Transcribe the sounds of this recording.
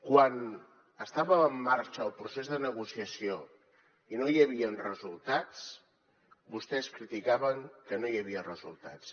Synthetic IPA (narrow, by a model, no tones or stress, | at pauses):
kwan | əst̪aβəːmːaɾt͡ʃəːlˠpɾusezðənəɣusiəsio | inojəβiənrəzulˠt̪at͡s | bust̪ɛskɾit̪ikaβəŋkənojəβiərəzṵlˠt̪a̰t͡s